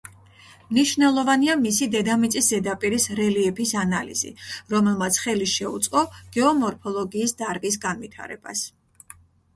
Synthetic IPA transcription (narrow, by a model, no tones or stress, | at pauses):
mniʃvnɛlˠɔvaniamisid̪ɛd̪amit̪sʼisd̪ɛd̪apʼiɾisɾɛliɛpʰisanalḭz̥ḭɾɔmɛlˠmat̪sʰχɛliʃɛṵt̪sʼqʼɔɡ̥ɛɔmɔɾpʰɔlˠɔɡiːsd̪aɾɡis̬ɡanvit̪ʰa̰ɾɛ̰b̥a̰s